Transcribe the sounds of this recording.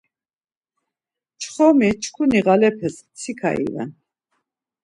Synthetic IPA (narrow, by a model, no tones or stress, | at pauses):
t͡ʃʰχɔmit͡ʃʰkʰuniɣalɛpʰɛs | t͡sʰikʰa̰ḭvɛ̰n